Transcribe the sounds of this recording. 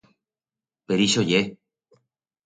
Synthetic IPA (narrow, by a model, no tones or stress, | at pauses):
peɾiʃoje